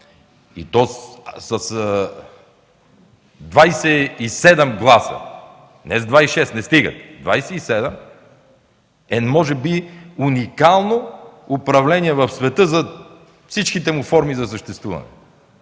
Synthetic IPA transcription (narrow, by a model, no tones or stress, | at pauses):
ḭt̪ɔssɐs | d̪vajsɛisɛd̪ɛmɡlˠasə̰ | nɛzd̪vaiʃɛst̪nɛst̪iɡə̰t̪d̪vajsɛisɛd̪ɛm | ɛmɔʒɛbiunikalˠnoʊpɾɐvlɛniɛvɐfsvɛt̪ɤzɐ | fsit͡ʃkit̪ɛmufɔɾmizɐsəʃt̪ɛst̪vuvɐ̰nɛ̰